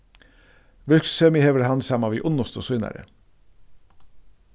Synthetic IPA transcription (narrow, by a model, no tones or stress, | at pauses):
ʋɪlkssœmiheːʋəɾhɑnsɑmɑʋiːʔʊnɔst̪osʊʏnæ̰ɾə̰